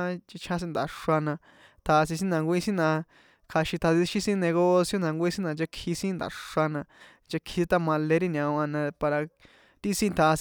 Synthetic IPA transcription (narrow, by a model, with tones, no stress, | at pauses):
t͡ʃi˧t͡ʃʰã˦s̬ĩ˦nd̪a̰˨ʂa˧nã˧ | t̪ʰa˧s̬ĩ˧s̬ĩ˦nã˧ŋɡʷĩ˦sĩ˦nã˧ | kʰa˧ʃĩ˧t̪ʰa˧ði˧ʃi˦sĩ˦nẽ˧ɣo˦sjo˦nã˧ŋɡʷĩ˦sĩ˦nã˧t͡ʃa˧kʰi˧sĩ˦nd̪a̰˨ʂa˧nã˧ | t͡ʃa˧kʰi˧si˧t̪a˦mã˧le˧ɾi˦˧nʲã˧a˧nã˧pa˧ɾa˧ | t̪i˦sĩ˦˧t̪ʰa˧s